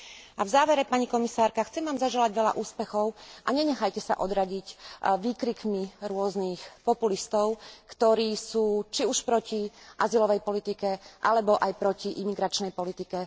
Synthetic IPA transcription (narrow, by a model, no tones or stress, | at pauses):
ʔavzaːʋɛɾɛpaɲikɔmisaːɾkaxt͡sɛmʋaːmzaʒɛlaɟʋɛʎa̰ʔuːspɛxɔʊʔaɲɛɲɛxajcɛsa̰ʔɔd̪ɾaɟicʋiːkɾikmiɾʊɔzniːxpɔpulist̪ɔʊkt̪ɔɾiːsuːt͡ʃiuʃpɾɔciʔazilɔʋɛjpɔlit̪ikɛʔalɛbɔʔajpɾɔciʔimiɡɾat͡ʃnɛjpɔlit̪ikɛ